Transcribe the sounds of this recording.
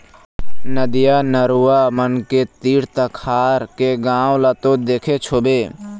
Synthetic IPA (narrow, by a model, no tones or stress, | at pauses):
nəd̪ɪjaːnəɾuamənket̪iːɽt̪əkʰaːɾkeɡãːwlat̪õd̪eːkʰet͡ʃʰoːbeː